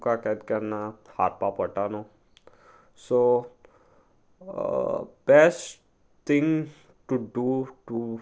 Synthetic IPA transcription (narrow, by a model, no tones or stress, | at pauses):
kakat̪kəɾnaha̰ɾpapəʈano | so | b̥ɛsʈ | t̪ʰɪ̃ŋ | ʈuɖuʈu